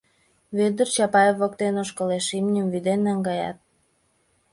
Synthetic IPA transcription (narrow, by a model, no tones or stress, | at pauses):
βed̪ərt͡ɕɑpɑjevok̚t̪enoʃkəleʃimnʲəmvyd̪enːɑŋɡɑjɑ̰t̪̚